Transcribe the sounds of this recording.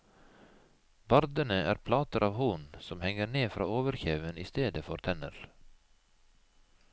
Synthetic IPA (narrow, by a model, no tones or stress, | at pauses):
bɑɾd̪ənəæ̰ːɾpʰlɑːt̪əɾʔɑːʋhuːnsɔmhɛŋəneːfɾɑ̰ːoːʋəɾçeːʋəniːst̪eːd̪əfɔɾt̪ʰɛnə̰ɾ